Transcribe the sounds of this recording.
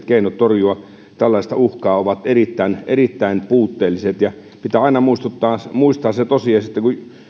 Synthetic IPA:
t̪keinot̪torjuɑ | t̪ælːɑˑist̪ɑuhkɑːoʋɑt̪erit̪ːæinerit̪ːæinpuːt̪ːeːlːiset̪jɑ | pit̪æːɑinɑmuist̪ut̪ːɑːmuist̪ɑːsset̪osiɑsit̪ːeku

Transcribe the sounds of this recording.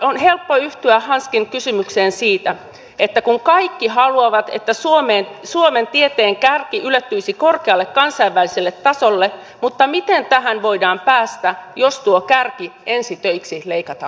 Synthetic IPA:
onɦe̞lpːoyht̪yæhɑnskinkysymykseːnsiːt̪æ | et̪ːækuŋkɑikːiɦɑluɑʋɑt̪ḛt̪ːæsuomeːnsuoment̪iet̪eːŋkærkiʔylet̪ːyisiko̞rkeɑlːekkɑnsɑiʋːæliselːet̪ːɑsolːe | mut̪ːɑmit̪ent̪æɦænʋoidɑːmpæːst̪æjost̪uokærkie̞nsit̪øiksileikɑt̪ɑ

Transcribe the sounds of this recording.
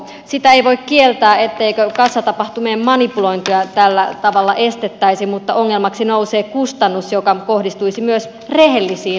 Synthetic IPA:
sit̪æeiʋoikkielt̪æːet̪ːeikøkɑnsːɑt̪ɑpɑht̪umeːmmɑnipuloint̪iɑt̪ælːæt̪ɑʋɑlːɑʔest̪et̪ːæisimut̪ːɑoŋːelmɑksinouseːkust̪ɑnːusjokɑkohdist̪uisimyøs | rehelːisiː

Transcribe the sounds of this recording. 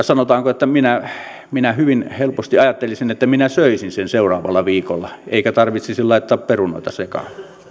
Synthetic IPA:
sɑnot̪ɑːŋkoet̪ːæminæ | minæhyʋinhelpost̪iɑjɑt̪ːelisinet̪ːæminæsøˑisinsenseˑurɑːʋɑlːɑʋiːkolːɑeˑikæt̪ɑrʋit̪sisillɑˑit̪ːˑɑːpperuno̰ˑit̪ɑsekɑ̰

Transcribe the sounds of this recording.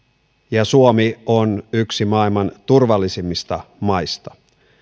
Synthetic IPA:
jɑsuomionyksimɑilmɑnt̪urʋɑlːisimːist̪ɑmɑjst̪ɑ̥

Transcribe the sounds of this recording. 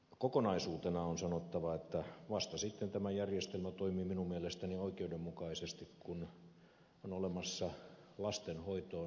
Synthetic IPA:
kokonɑisuːt̪enɑonsɑnot̪ːɑʋɑet̪ːæʋɑst̪ɑsit̪ːent̪æmæjærjest̪elmæt̪oimiːminummielest̪ænioikeudemmukɑisest̪ikkun | onolemɑsːɑlɑst̪enhoit̪oː

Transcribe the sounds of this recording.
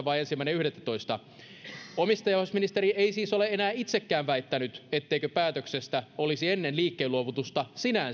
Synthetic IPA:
ʋɑiensimːæineyhɾet̪ːæt̪o̞ist̪ɑ | omist̪ɑjɑhesminist̪eɾieisiːso̞leenæːit̪sekːæːʋʋæit̪ːænyt̪et̪ːeikøpæːt̪øksest̪æolisienːenliːkːeːluoʋut̪ust̪ɑsinæn

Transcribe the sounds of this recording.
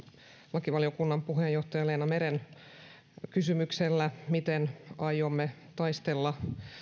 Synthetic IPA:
lɑkiʋɑliokunːɑmpuɦejo̞ht̪ɑjɑleːnɑmeɾen | kysymykselːæmit̪enɑjomːet̪ɑjst̪elːɑ

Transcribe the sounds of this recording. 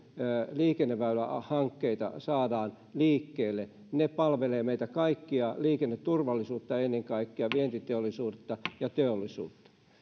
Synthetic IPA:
liːkenːeʋʋæylæhɑŋkːeit̪ɑ̰sɑːdɑːn | liːkːeːlːe | nepɑlʋeleːmeit̪ækɑikːiɑliːkenːet̪turʋɑlːisuːt̪ːɑenːeŋkɑikːiɑʋient̪it̪eolˑisuːt̪ːɑjɑt̪eolːˑisṵːt̪ːɑ̥

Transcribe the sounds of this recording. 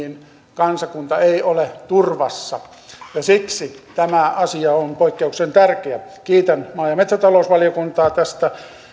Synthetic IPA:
in | kɑnsɑkunt̪ɑeiolet̪urʋɑ̰sːɑ | jɑsiksit̪æmæɑsiɑonpoikːeuksent̪ærkeækiːt̪ænmɑːjɑmet̪sæt̪ɑloˑusʋɑlijokunt̪ɑːt̪æst̪æ

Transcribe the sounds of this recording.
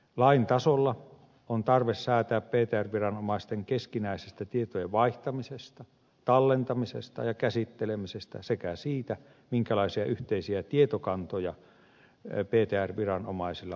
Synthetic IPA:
lɑint̪ɑsolːɑ | ont̪ɑrʋessæːt̪æːppeːt̪eːærʋirɑnomɑist̪eŋkeskinæisest̪æt̪iet̪ojeʋʋɑiht̪ɑmisest̪ɑ | t̪ɑlːent̪ɑmisḛst̪ɑ̰jɑkæsit̪ːelemisest̪æ̰sekæsiːt̪æ | miŋkælɑisiɑ̰ʔyht̪eisiæt̪iet̪okɑnt̪ojɑ | peːt̪eːærʋirɑno̰mɑisilːɑ

